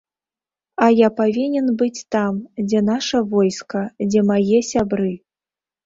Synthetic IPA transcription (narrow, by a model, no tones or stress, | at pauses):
ɐjapavʲinʲɛnbɨt͡sʲt̪amd͡zʲɛnaʂɐvɔjskɐd͡zʲɛmajɛsʲabɾɨ